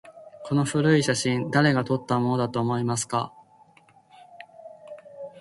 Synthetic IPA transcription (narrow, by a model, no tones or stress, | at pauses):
kʰo̞no̞ɸɯ̟ɾɯ̟iɕaɕĩnd̪aɾe̞ɡat̪o̞t̪ːamo̞no̞d̪at̪o̞ːmo̞imasɨ̥ka̰